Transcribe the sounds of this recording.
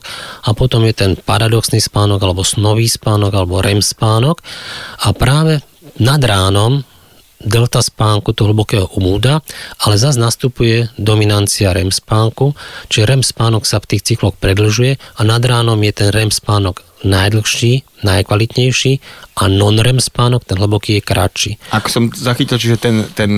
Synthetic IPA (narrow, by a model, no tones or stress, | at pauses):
apɔt̪ɔmjɛt̪ɛnpaɾad̪ɔksnispaːnɔɡalɛbɔsnɔʋiːspaːnɔɡalɛbɔɾɛmspaːnɔkapɾaːʋɛ | nad̪ɾaːnɔm | d̪ɛlt̪aspaːŋkut̪ɔɦl̩bɔkɛːɦɔʔumuːd̪aalɛzaznast̪upujɛd̪ɔminant͡siaɾɛmspaːŋkut͡ʃiʒɛɾɛmspaːnɔksaft̪iːxt͡siklɔxpɾɛd̪l̩ʒujɛanad̪ɾaːnɔmjɛt̪ɛnɾɛmspaːnɔɡ | najd̪l̩xʃiːnajkʋalit̪ɲɛjʃiːʔanɔnɾɛmspaːnɔkt̪ɛnɦ̩bɔkiːjɛkɾa̰t͡ʃiːakɔ̥sɔmzaxicilt͡ʃiʒɛt̪ɛnt̪ɛn